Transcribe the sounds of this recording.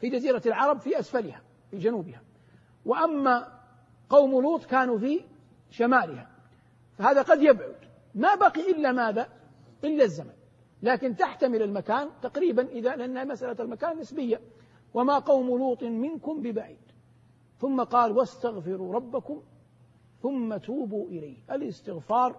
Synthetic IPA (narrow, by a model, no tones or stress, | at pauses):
fid͡ʒaziːɾalʕɑɾˤɑbfiʔasfalɪha | fid͡ʒanuːbɪha | wɪʔamːa | qɑwmluːt̪ˤkaːnufi | ʃamaːlɪha | fahaːðaqɑd̪jabʕʊd̪ | mabaqiʔɪlːamaːða | ʔɪlːazːaman | laːkɪnt̪aħt̪amɪlalmakaːnt̪aqɾiːbanʔɪðalɪʔanːhamasʔalalmakaːnːɪsbɪjːa | wamaqɑwmʊluːt̪ˤmɪnkʊmbɪbaʕiːd̪̥ | θʊmːaqɑːlwast̪aɣfɪɾuɾˤɑbːakʊm | θʊmːat̪uːbuʔɪlajhʔalɪst̪ɪɣfɑːɾˤ